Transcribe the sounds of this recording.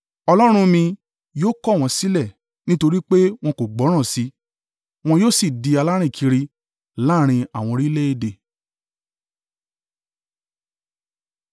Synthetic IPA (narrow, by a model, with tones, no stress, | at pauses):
ɔ˧lɔ˦ɾ̃ũ˦mĩ˧ | joː˦kɔ˦˨w̃ɔ̃˧si˦lɛ˦˨ | nĩ˦to˧ɾi˦k͡pe˦w̃ɔ̃˧ko˨ɡ͡bɔ˨˦ɾ̃ã˦˨si˨˦ | w̃ɔ̃˧joː˦si˦˨di˧a˧la˦ɾ̃ĩ˦˨kʰi˧ɾi˧ | la˦ɾ̃ĩ˧a˨w̃ɔ̃˧ɾi˦le˦e˦˨de˧˨